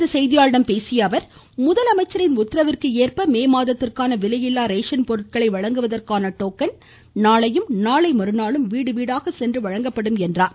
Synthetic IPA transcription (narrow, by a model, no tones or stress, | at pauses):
rɯsɛjðɪjaːɻɽɐmpeːsɪjɐʋɐɾ | mʊðɐlɐmɐɪt͡ʃːɐɾɪnʊt̪ːɾɐʋɪrkɯeːrpɐmeːmaːðɐt̪ːɪrkaːnɐʋɪlɐjɪlːaːɾeːʂɐnpɔɾɯʈ̚kɐɭɐɪʋɐɻɐŋɡɯʋɐðɐrkaːnɐʈoːkɐn | naːɭɐjɯmnaːɭɐɪmɐɾɯnaːɭɯmʋiːɽɯʋiːɽaːɣɐsɛndrɯʋɐɻɐŋɡɐpːɐɽɯmɛndraːɾ